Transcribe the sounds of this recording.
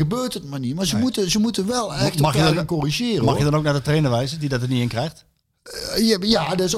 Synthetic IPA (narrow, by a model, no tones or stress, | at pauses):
əbøːrtətmanimaɹzəmutəzəmutəʋɛlˠɛxtmɑxjədɔnkɔriʒɪːrəmɑxjədɔnowk̚nadətreːnəʋɛjzədidɔtəniɪnkrɛjxt | jəjadəɪs